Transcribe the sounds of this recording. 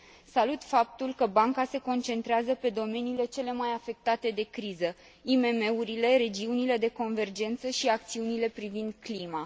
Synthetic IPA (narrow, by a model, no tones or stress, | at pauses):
salut̪fap̚t̪ulkəbaŋkase̞ko̞nt͡ʃe̞nt̪ɾeazəpe̞d̪o̞me̞niːle̞t͡ʃe̞le̞majafe̞k̚t̪at̪e̞d̪e̞kɾizə | ime̞me̞uɾile̞ɾe̞d͡ʒiunile̞d̪e̞ko̞nve̞rd͡ʒe̞nt̪səʃiak̚t̪siunile̞pɾivind̪klima